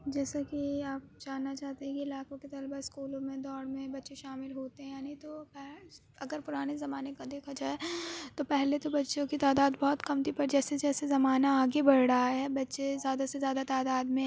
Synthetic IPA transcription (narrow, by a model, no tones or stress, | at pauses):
d͡ʒɛːsakiaːp̚d͡ʒaːnːat͡ʃaːɦt̪eɦɛ̃kiɪlaːkõket̪ɐlbaɪskuːlõmẽd̪ɔːɽmẽbɐtːʃeʃaːmɪlɦoːt̪eɦɛ̃jaːnit̪opɛ | ɐɡəɾpʊɾaːnezɐmaːnekad̪eːkʰad͡ʒaːet̪opɛɦlet̪obɐtːʃõkit̪aːd̪aːd̪bɔːt̪kɐmt̪ʰipɐɾd͡ʒɛːsed͡ʒɛːsezɐmaːnaːɡebɐɽ̤ɽaɦaɦɛbɐtːʃezjaːd̪asezjaːd̪at̪aːd̪aːd̪mẽ